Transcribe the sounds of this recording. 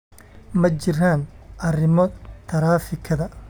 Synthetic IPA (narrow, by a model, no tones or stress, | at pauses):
mɐt͡ʃɪɾaːnʔɐrɪmɔt̪ʰɐɾaːfɪkʰɐðɐ